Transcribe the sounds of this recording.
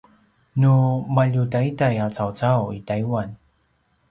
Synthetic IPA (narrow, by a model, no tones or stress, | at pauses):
numaʎutajitajat͡sawt͡sawitajwan